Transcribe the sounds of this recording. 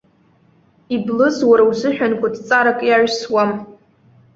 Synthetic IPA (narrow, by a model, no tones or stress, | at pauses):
iblɨzwaɾawzɨħᶣankʷadt͡sʼaɾakʼjaʕʷswam